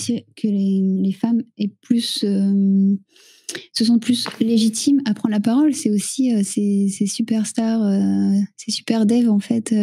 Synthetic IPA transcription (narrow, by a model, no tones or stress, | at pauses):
sikʰəlelefamɛplysø | səs̬ɑ̃t̪̚plysleʒit̪ʰimapχɑ̃nlapaʁɔlsɛosiøsɛsɛsypɛʁst̪aʁøsɛsy̥pɛʁd̪ɛvɑ̃fɛt̪ø